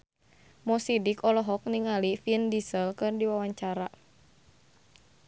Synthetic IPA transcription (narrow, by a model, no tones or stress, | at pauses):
mɔsidikɔlɔɦɔk̚niŋalifindisəlkɨrdiwawaɲt͡ʃaɾa